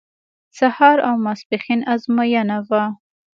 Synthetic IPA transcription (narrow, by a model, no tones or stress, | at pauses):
sahɑɾawmasbɪxinazmajanava